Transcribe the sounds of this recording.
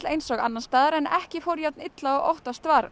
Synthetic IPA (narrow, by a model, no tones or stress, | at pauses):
lejnsɔːɣanːanst̪aːðaɾɛnɛhcɪfowɾjawt̪̚nɪt̪laɔɣɔ̰wht̪ast̪vaːɾ